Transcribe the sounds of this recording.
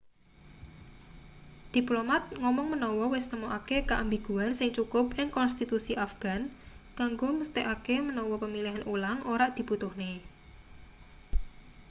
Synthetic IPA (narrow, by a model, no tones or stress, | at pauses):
d̪̥i̤plomat̪̚ŋɔmɔŋmənɔwɔwɪst̪əmoʔakekaʔambiɡ̥uansɪŋt͡ʃukʊp̚ɪŋkɔnst̪it̪usiʔafɡ̥an | kaŋɡoməst̪eʔakemənɔwɔpəmiliɦanʔulaŋoɾaʔd̪̥i̤but̪ʊhne